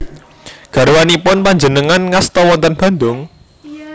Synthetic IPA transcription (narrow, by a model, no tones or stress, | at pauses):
ɡ̥ä̤ɾwanipʊnpaɲd͡ʒənəŋanŋast̪ɔwɔnt̪ənb̥a̤nd̪ʊŋ